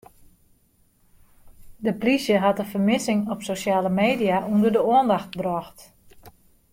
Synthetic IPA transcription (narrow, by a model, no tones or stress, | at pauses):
dəplisjəɦatəfərmɪsɪŋɔpsosjaːləmeːdijaʔundərdəoəndaxt̚brɔxt